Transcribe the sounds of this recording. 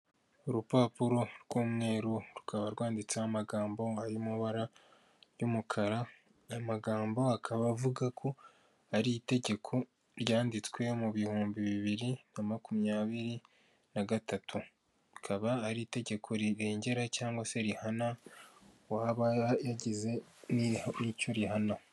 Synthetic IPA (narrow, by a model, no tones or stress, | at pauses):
oɾupaːpuɾo̞ɾɡ̥uːmŋe̞ːɾuɾukʰaβaɾɡwaːndit͡saamaɡaːmbo̞aɾimuβaɾa | jumukʰaɾa | amaɡaːmbo̞akʰaβavuɡakʰo̞ | aɾite̞ɟe̞kʰo̞ | ɾjaːndit͡swe̞muβihuːmbiβiβiɾinamakumɲaːβiɾi | naɡatʰatʰu | ɾukʰaβaːɾite̞ɟe̞kʰo̞ɾiɾe̞ːɲɟe̞ɾacaːŋɡwase̞ɾihana | waːβajaɟize̞ninicoɾihana